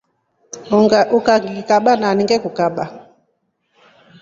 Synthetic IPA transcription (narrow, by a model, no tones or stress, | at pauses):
ɡukaɡikaɓananiŋɡɛkukaɓa